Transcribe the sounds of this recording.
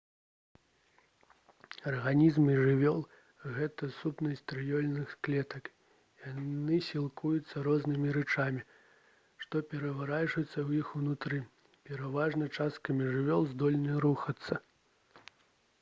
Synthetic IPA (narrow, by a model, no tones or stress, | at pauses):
ɐrɣanʲizmɨʐɨvʲɔlˠ | ɣɛt̪ɐsupnɐsʲt̪ɾɨjɔlʲnɨxsklʲɛt̪ɐk | janɨsʲilˠkʰujut̪sːɐɾɔznɨmʲiɾɛt͡ʂamʲi | ʂt̪ɔpʲɛɾɐvaɾat͡ʂɨt̪sːɐwjixunut̪ɾɨ | pʲɛɾavaʐnɐt͡ʂast̪kɐmʲiʐɨvʲɔlˠzd̪ɔlʲnɨɾuxɐt̪sːɐ